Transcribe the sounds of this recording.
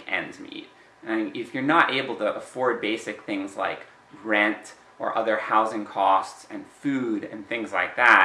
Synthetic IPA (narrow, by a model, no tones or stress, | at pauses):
ɛ̰̃ndzmḭt̚ | ãŋɪfjə˞nəɾʔeɪbl̩ˠtʰəʔəfɔɹd̚beɪsɨk̚θɪ̃ŋzla̰ɪk | ɹɛ̃nt | ʔə̰˞ʔʌðə˞haʊzɪ̃ŋkʰɔstsɨ̃nfʉɾɨ̃nθɪ̃ŋzlaɪk̚ðæ